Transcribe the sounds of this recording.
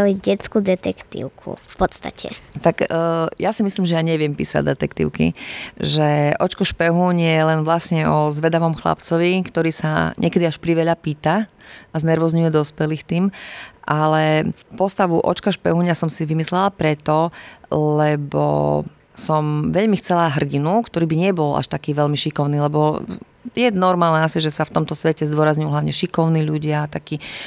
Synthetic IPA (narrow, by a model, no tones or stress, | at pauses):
liɟɛt͡skud̪ɛt̪ɛkt̪ḭʊkʰṵfpɔt̪st̪a̰cʰɛ̰t̪akjasimisliːmʒɛjaɲɛʋɪɛmpḭːsa̰ɟd̪ɛt̪ɛkt̪ḭʊkḭʒɛʔɔt͡ʃkɔʃpɛɦuɲjɛlɛnʋlasɲɛʔɔzʋɛd̪aʋɔmxla̰pt͡sɔʋikt̪ɔɾiːsa̰ɲʔɛkɛd̪iaʃpɾiʋɛʎapiːt̪aaznɛɾʋɔzɲuʊjɛd̪ɔspɛliːxt̪iːmʔalɛpɔst̪aʋuʔɔ̰t͡ʃkaʃpɛɦuɲasɔmsiʋimislɛlapɾɛt̪ɔlɛbɔ̰ | sɔmʋɛʎmixt͡sɛlaɦr̩ɟinukt̪ɔɾiːbiɲɛbɔla̰ʃt̪akiːʋɛʎmiʃikɔʊniːlɛbɔ | jɛnɔɾmaːlnɛasiʒɛsaft̪ɔmt̪ɔsʋɛcɛzd̪ʊɔɾazɲujuɦlaʊɲɛʃikɔʊniːʎuɟɪat̪akiː